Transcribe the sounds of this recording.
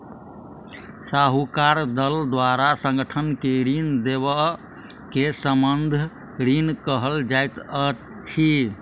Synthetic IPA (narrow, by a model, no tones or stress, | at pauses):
saɦukaɾd̪əld̪waɾasə̃ŋɡəʈʰənkeɾind̪eβə | kesəmənd̪ʱ | ɾinkəɦəld͡ʒajt̪ə | t͡ʃʰi